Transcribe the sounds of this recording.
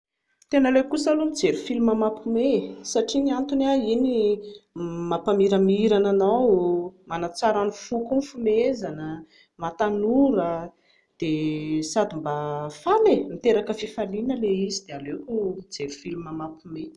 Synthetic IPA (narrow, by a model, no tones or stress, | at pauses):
t̪enəlewkusəlumid͡zeɾufilimamapumesaʈ͡ʂiniant̪unaini | mapamiɾəmiɾananawmanat͡saɾanufukumfumezanə | mat̪anuɾə | d̪̥esad̪imbafamemit̪eɾakəfifalinəleizid̪̥ealekud͡zeɾufilumamapume